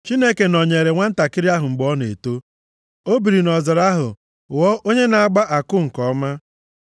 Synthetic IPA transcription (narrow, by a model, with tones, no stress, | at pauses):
t͡ʃi˦ne˦ke˨nɔ˨ɲe˨ɾe˨ŋʷa˦n̩˦ta˨kɪ˦ɾi˦a˦ɦʊ˨ŋ͡m̩˨ɡ͡bɔ˦ne˨to˦ | o˦bi˨ɾi˨nɔ˨zɔ˨ɾa˦ɦʊ̰˨ | wɔ˦ʔo˦ɲe˦na˨a˦˨ɡ͡ba˦ʔa˨kʊ˦ŋ̩˨kɔ˨˦ma˦